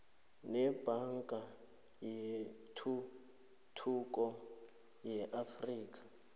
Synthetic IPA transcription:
nɛb̥ʱaŋkʼa | je | tʰu | tʰuk̬ʼɔ | jɛʔafriːk̬ʼḁ

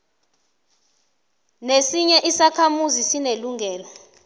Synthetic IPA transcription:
nesiɲɛʔisakʰamuzisineluŋʱɛːlɔ

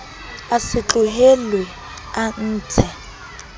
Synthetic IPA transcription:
asɪt͡ɬuɦelwɛ | an̩ːt͡sʰɛ

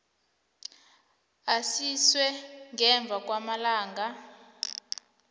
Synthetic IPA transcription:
asiswɛŋʱɛɱb̪vʱak̬ʼwamalaːŋɡa

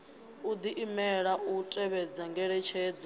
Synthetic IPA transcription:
ud̪iʔimɛɺaʔutʼɛβɛd͡zaŋɡɛɺɛt͡ʃʰɛːd͡zɔ

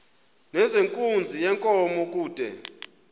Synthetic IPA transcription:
nɛzeŋkʼund͡zʱijɛŋkʼɔmɔk̬ʼuːd̥ʱɛ̰

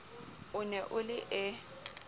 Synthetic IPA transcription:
ʊnɛʔʊlɪʔɛ

